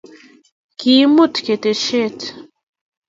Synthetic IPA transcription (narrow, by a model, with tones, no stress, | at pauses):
kimu˦t̪ke˨t̪e˨ʃe˦t